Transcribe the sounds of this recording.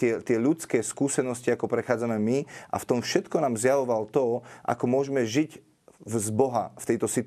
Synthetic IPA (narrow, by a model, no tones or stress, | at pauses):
ɪɛt̪ɪɛʎut͡skɛːskuːsɛnɔsciakɔpɾɛxaːd͡zamɛmiʔa̰ft̪ɔmfʃɛt̪kɔnaːmzjaʋɔʋalɔt̪ɔʔa̰kɔmʊɔʒɛmɛʒic | vzbɔɦa̰ft̪ɛjt̪ɔsit̪